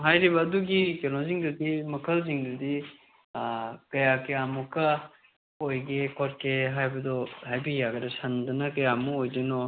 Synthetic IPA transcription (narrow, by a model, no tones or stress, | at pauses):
ɦajɾibɐːduɡikenoziŋdɐdimɐkʰɐlziŋdɐdi | kɐjakɐjamukɐ | ojɡekʰɔt̚kʰeɦajbɐdɔhajbijaɡɐdɐsɐndɐnɐkɐjamuojdenɔ